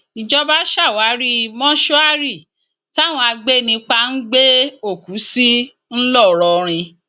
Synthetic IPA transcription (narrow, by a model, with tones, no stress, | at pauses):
i˨d͡ʒɔ˦ba˦ʃa˦˨wa˨˦ɾi˦˧mɔ̃˦ʃu˦a˦ɾi˦˨ | ta˦˨w̃ɔ̃˧a˧ɡ͡be˦nĩ˧k͡pa˧n̩˦ɡ͡be˦o˦˨ku˨˦si˦ | n̩˦lɔ˦˨ɾɔ˧ɾ̃ĩ˧